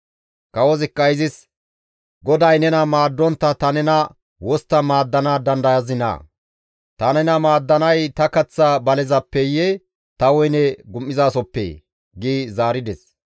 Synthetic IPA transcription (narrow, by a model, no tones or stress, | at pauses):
kɐwɔzɪkːɐjɪzɪs | ɡɔd̪ɐjnɛnɐmaːd̪ːɔnt̪ːɐt̪ɐnɛnɐ | wɔst̪ːɐmaːd̪ːɐnaːd̪ɐnd̪ɐjɐzɪna̰ː | t̪ɐnɛnɐmaːd̪ːɐnɐjt̪ɐkɐt͡sːɐbɐlɛzɐpːɛjɛ | t̪ɐwɔjnɛɡʊmːɪzaːsɔpːḛː | ɡizaːɾɪd̪ɛs